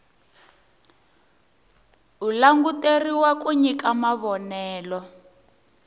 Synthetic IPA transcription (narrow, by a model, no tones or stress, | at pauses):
ulaŋɡuteriwakuɲikamaβɔnɛːlɔ